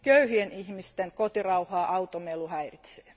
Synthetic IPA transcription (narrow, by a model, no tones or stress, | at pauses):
køyhienihmist̪enkot̪irɑuhɑːʔɑwt̪omeluhæirit̪se̥ː